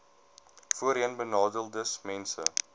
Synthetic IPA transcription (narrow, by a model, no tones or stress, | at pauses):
fuəɾənbənɑːdəlˠdəsmɛnsə̰